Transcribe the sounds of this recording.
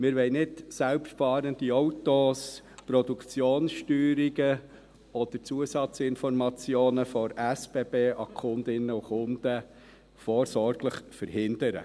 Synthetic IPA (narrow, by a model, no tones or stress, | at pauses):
mɪːɾʋɛjnɪtsælpʃtfɑːɾənd̥̪iɔwt̪oːs | pɾɔd̪ukt͡sjoːnsʃtyːɾiɡə | ɔd̥̪əɾt͡suəsɑt͡sɪnfɔrmɑt͡sjoːnəfɔɾæsb̥eːb̥eːʔɑkʰʊnd̪ɪnːəʊχʊnd̥̪ə | fɔːɾsɔɾɡ̥ləχfəɾhɪnd̥̪əɾə̰